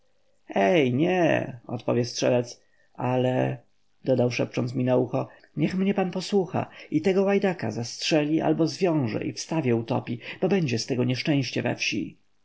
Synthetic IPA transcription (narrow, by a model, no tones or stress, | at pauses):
ɛjɲɛ̰ɔ̰t̪pɔ̰vʲjɛstʂɛlɛt̪s | alɛ̰ | d̪̥ɔd̪awʂɛp̚t͡ʂɔnt̪smʲinauxɔ | ɲɛxmɲɛpanpɔswuxa̰it̪ɛɡɔwajd̪akazastʂɛlʲiʔa̰lbɔzvʲjɔ̃w̃ʐɛ̰ʔifst̪avʲjɛut̪ɔ̰pʲib̥ɔbɛɲd͡ʑɛst̪ɛɡɔɲɛʂt͡ʂɛ̃w̃ɕt͡ɕɛvɛ̰fɕḭ